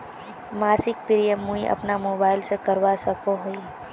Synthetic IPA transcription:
maːɾsɪk̚piɾiemːũiʔɐ̰pnamoːbaːɪlsekəɾwasɐkoɦoi

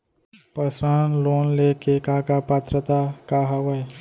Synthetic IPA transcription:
pəsɾanloːnlekekaːkapat̪ɾət̪akaɦɐwəj

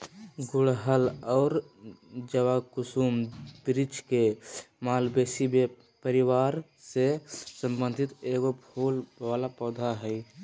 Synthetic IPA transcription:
ɡʊɽɦəlɔːɾ | d͡ʒəwakusumb̥ɾit͡ʃkemaːlbesibe | pəɾiwaɾ | sesə̃mbə̃nd̪ʱit̪eɡobʱolʋaːlapɔːd̪ʱaɦɛi

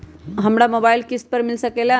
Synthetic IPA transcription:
ɦɐmɽamobaːjilkisʈ̚pəɾmɪlsəkela

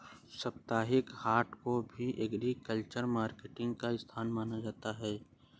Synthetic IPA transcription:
sɐp̚t̪aːɦɪkhaːɾʈkobʱiʔɐɡɾikəlt͡ʃəɾmaːɾkeʈɪ̃ŋɡkaɪst̪ʰaːnmaːnad͡ʒaːt̪aɦɛː

